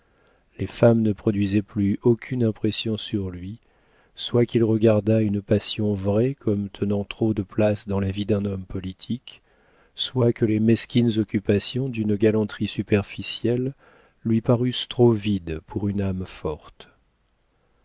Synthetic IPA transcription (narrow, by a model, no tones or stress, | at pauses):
lefamnəpχɔd̪ɥizɛplyokʲʰynɛ̃pχɛsjɔ̃syʁlɥi | swakilʁəɡaʁd̪aynpasjɔ̃vʁɛkɔmt̪ʰənɑ̃t̪χod̪əplasd̪ɑ̃lavid̪ɛ̃nɔmpɔlit̪ʰik | swakəlemɛskʲinzɔkʲypasjɔ̃d̪ynɡalɑ̃t̪χisypɛʁfisjɛlː | ɥipaʁyst̪χovid̪puʁynamfɔʁt̪